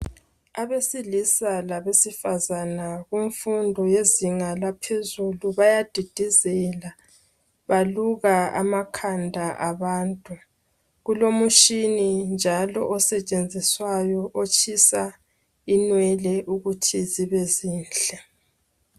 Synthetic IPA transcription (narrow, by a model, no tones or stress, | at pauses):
aβesilisalaβesifazanaɣuɱfundʱɔjeziŋalapʰezuluβajad̥ʱid̥ʱizɛla | βaluɣaa̰makʰandʱaʔaβaːntʼu | ɣulomuʃinind͡ʒʱalɔʔɔsɛt͡ʃʼend͡zʱiswajɔʔot͡ʃʰʼisa | inwɛlɛʔuɣutʰiziβɛziːnd͡ɮɛ